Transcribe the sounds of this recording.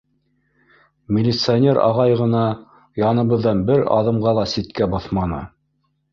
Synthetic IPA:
mʲɪlʲɪt̪sɨanʲeɾɑ̰ʁɑjʁɤ̆nɑ | jɑnɤ̆βɤ̆ðːɑnbɘɾɑ̰ðɤ̆mʁɑlˠɑsit̪kæbɑθmɑnɤ̰

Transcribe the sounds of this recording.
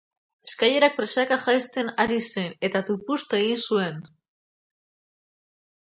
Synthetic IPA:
eskaje̞ɾak̚pɾesakaʝajst͡s̪e̞naɾisene̞t̪at̪upust̪aeɣ̞insue̞n

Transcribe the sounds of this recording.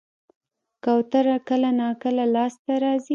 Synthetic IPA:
kawt̪aɾakəlanɑkəlalɑst̪aɾɑzi

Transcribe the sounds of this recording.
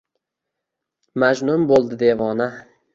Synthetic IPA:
mad͡ʒnʊmbolˠd̪ɪd̪evɒna

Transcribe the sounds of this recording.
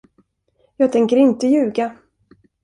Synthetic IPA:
jɑːɡ̚t̪ʰɛŋkəɾɪnt̪əjʉ̟ːɡa

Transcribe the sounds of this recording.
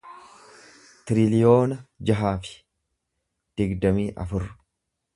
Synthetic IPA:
t̪ɪɾɪlɪjo̞ːnɐd͡ʒɐɦaːfɪ̥ | d̪̥ɪɡd̪ɐmiːʔɐ̰fʊɾ

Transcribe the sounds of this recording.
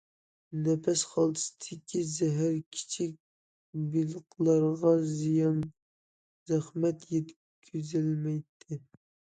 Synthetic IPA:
nɛpʰɛsχɑlˠɨ̥st̪ʰɪkʲʰizɛɦæɾkʲʰi̥t͡ʃʰik̚ʲ | bilɨqlˠɑɾʁɑzijɑn | zæχmɛt̪jɛt̪ | kʲʰyzɪlmɛjt̪ʰːɪ

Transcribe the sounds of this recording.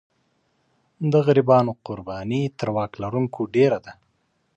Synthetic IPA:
d̪əɣaɾibɑnoqʊɾbɑnit̪əɾwɑklaɾuŋkʰoɖeɾad̪a

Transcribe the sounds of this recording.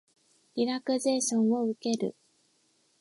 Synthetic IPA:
ɾʲiɾakɯ̟ze̞ːɕõɰ̃o̞ɯ̟ke̞ɾɯ̟̰

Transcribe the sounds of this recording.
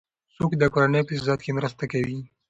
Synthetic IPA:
sokd̪əkoːɾanəjpəszɑt̪kemɾəst̪akawi

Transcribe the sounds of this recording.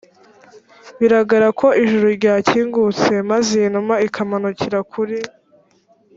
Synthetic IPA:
βiɾaɡaɾakʰo̞ʔiʒuɾuɾɟaːcʰiːŋɡut͡se̞mazenumaikʰamanuciɾakʰuɾi

